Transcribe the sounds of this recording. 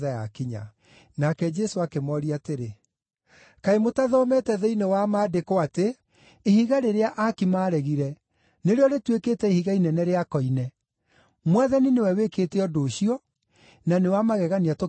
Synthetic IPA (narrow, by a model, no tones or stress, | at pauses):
ðajakiɲa̰ | nakɛd͡ʒɛsoakemɔɾiateɾe | kaemotaðɔmɛtɛðeinɛwamaːdekoate | ihiɣaɾeɾeaʔakimaːɾɛɣiɾɛ | neɾeɔɾetweketɛihiɣainɛnɛɾeakɔinɛ | mwaðaninewɛweketɛɔdoːɕiɔ | nanewamaɣɛɣaniato